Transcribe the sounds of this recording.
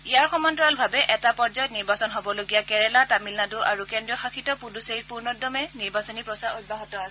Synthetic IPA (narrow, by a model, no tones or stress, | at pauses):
ijaɹxɔmɔntɔɹalbʱabɛʔɛtapɔɹd͡ʒɔjɔtniɹbasɔnɦobɔloɡijakɛɹɛlatamilnaduʔaɹukɛndɹiɔxakʰitɔpuduseɹit̚puɹnɔdɔmɛniɹbasɔnipɹɔsaɹot̚bʱaɦɔtɔas